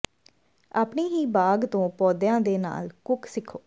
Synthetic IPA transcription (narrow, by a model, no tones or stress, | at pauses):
aːpɳiːɦiːbaːɡt̪õːpɔːd̪jãːd̪eːna̰ːlkʊksɪkʰːoː